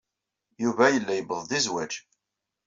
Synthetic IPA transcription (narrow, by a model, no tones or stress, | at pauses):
juvæjəlːæjəbəðˤd̪izwæd͡ʒ